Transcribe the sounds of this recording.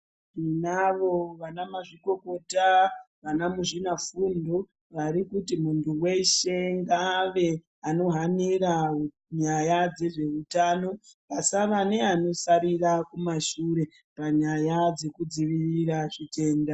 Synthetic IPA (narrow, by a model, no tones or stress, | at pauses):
ʐinaʋo̞ʋanamaʐiko̞ko̞ta | ʋanamuʐinafundo | ʋaɾikutimuntuwe̞ʃe̞ŋɡaʋe̞ | ano̞ɦaniɾa | ɲajad͡ze̞ʐe̞utaːno̞pasaʋane̞ano̞saɾirakumaʃuɾe̞ | paɲajad͡ze̞kud͡ziʋiriraʐ̥ite̞ːnda